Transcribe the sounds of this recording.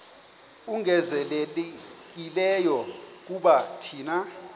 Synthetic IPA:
uŋɛzɛl | k̬ilɛjɔk̬uɓatʰiːna

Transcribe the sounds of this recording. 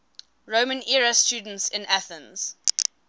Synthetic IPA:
ɹoʊmə̃nɛɹəstjuːdən̩tsɪ̃næθə̃nz̥

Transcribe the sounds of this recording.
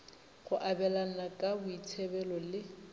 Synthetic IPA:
χʊʔabɛlan̩nakʼabʊit͡sʰɛbɛlɔlɪ

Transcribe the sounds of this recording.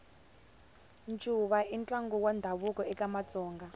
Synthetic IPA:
nt͡ʃʼuβaint͡ɬʼaŋɡuwandʱaβukʼɔɛkamat͡sʼɔːŋɡa

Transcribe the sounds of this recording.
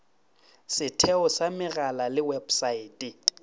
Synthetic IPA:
sɪtʰɛɔsamɪɣalalɪwebsaiːtʼɛ

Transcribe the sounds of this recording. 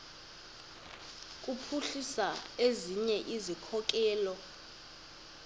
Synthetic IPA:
k̬ʼupʰuɬisaeziɲɛʔizikʰɔk̬ɛːlɔ

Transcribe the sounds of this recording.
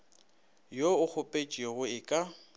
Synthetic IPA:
joʊk͡xʰʊpʼet͡ʃʼiɛɣʊɪkʼa

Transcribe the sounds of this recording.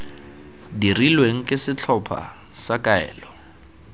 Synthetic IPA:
dirilweŋ̩kʼɪsɪt͡ɬʰɔpʰa̰ | sakʼaɛ̰ːlɔ

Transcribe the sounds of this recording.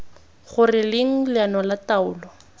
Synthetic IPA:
χʊrɪlɪŋ̩lɪanɔlataʊːlɔ

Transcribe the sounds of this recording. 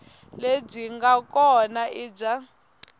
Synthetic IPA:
leb͡ʐiŋɡakʼɔnaid͡ʒa

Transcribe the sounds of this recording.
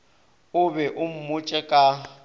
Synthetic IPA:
ʊbɛʔʊm̩mʊt͡ʃʼɛkʼa

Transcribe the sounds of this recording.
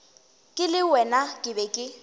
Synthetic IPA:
kʼɪlɪwɛnakʼɪbɛkʼɪ

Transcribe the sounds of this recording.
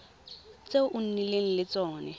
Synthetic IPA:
t͡seʔʊn̩nileŋ̩lɪt͡sɔːnɛ

